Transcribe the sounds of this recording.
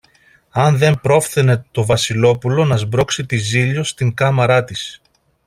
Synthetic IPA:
ɐnðe̞mpɾo̞fθene̞t̪o̞vɐsilo̞pulo̞nɐzbɾo̞ksit̪iziʎo̞st̪iŋkɐmɐɾɐt̪is

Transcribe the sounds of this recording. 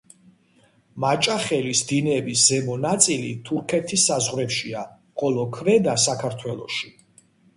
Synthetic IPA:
mat͡ʃʼaχɛlisd̪inɛbiszɛmɔnat̪sʼilit̪ʰuɾkʰɛt̪ʰisːazʁɾɛpʃia | qʼɔlˠɔkʰvɛd̪asakʰaɾt̪ʰwɛlˠɔ̰ʃi

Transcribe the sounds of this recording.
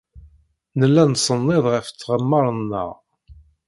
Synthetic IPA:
nəlːænsˤənːɪðˤʁəft͡sːʁəmːɑɾˤənːə̰ʁ

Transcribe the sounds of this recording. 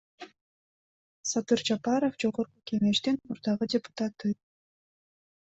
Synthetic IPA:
sat̪ɯɾd͡ʒapɑɾofd͡ʒo̞ʁo̞ɾquke̞ŋe̞ʃt̪inmuɾd̪ɑʁɯdʲɪpʊ̥t̪at̪ːɯ

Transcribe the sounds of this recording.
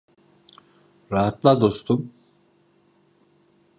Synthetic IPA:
ɾaɦat̪lˠad̪o̞st̪ʰum

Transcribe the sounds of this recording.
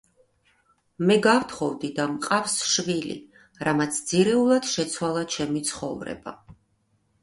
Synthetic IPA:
mɛɡaft̪ʰχɔvd̪id̪amqʼafsʃvilḭ | ɾamat̪sʰd̪z̥iɾɛulˠad̪̥ʃɛt̪sʰwalˠat͡ʃʰɛmit̪sʰχɔ̰vɾɛ̰ba̰

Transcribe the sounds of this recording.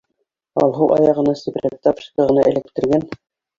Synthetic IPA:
ɑ̰lˠɦɤwˠʔɑ̰jɑʁɤ̆nɑsiprʲet̪ːɑpʃkəʁɤ̆nɑʔɘ̆lɘ̆k̚t̪ɘ̆ɾɡæn

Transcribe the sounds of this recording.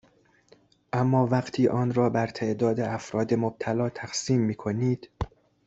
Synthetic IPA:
ʔæmːɒːvæɢt̪ʰiːʔɒːnɾɒːbæɾt̪ʰeʔd̪ɒːd̪eʔæfɾɒːd̪emob̚t̪ʰælɒːt̪ʰæxsiːmːiːkʰoniːd̪̥

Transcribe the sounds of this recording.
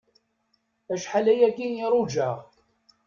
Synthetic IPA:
æʃħalæjækːinjiɾˤud͡ʒaʁ

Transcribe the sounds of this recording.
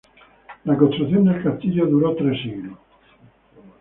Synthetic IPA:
lakont̪ɾuθjond̪elkast̪iʎoðuɾɔt̪ɾesiɣɾo

